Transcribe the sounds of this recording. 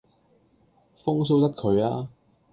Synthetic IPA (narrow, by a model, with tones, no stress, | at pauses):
fʊ˥ŋs̬o˥wt̪ɐ˥t̚kʰɵ˨˧ɥaː˥